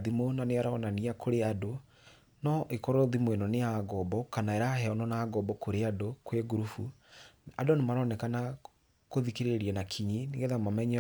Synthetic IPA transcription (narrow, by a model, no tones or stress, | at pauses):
ðimonaneaɾaɔnaniakoɾeado | nɔʔekɔɾɔðimwenɔneaːɡɔbɔkanaɛɾahɛɔnɔnaːɡɔbɔkoɾeadokweɡuɾufu | adonemaɾɔnɛkana | koðikeɾeɾiɛnakʰiɲiniŋɡeðamamɛɲɛ